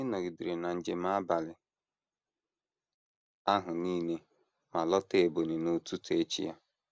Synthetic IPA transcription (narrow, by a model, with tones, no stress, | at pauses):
ɪ˦nɔ˨ɡɪ˨dɪ˨ɾɪ˨na˨n̩˨d͡ʒe˨ma˦a˦ba˨lɪ˨ | a˦ɦʊ˨niː˦ne˦ | ma˨lɔ˦te˨bo˨ni˨no˨tu˦te˦t͡ʃḭ˦ja̰˦